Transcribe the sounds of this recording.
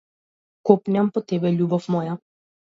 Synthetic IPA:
kɔpnʲampɔt̪ɛbɛʎʲubɔfmɔja

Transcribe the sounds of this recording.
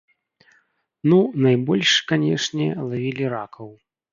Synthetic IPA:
nunajbɔlʲʂkanʲɛʂnʲɛlˠavʲilʲiɾakʰɐw

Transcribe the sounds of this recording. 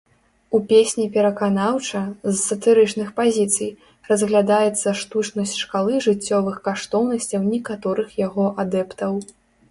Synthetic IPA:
upʲesʲnʲipʲɛɾɐkanawt͡ʂɐzːɐt̪ɨɾɨt͡ʂnɨxpazʲit̪sɨj | rɐzɣlʲad̪ajɛt̪sːɐʂt̪ut͡ʂnɐsʲt͡sʲʂkalˠɨʐɨt͡sʲːɔvɨxkaʂt̪ɔwnɐsʲt͡sʲɐwnʲɛkat̪ɔɾɨxjaɣɔʔad̪ɛpt̪ɐw

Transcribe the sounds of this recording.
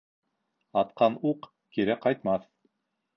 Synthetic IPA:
ɑt̪̚qɑnuq | kiɾæqɑjt̪mɑθ

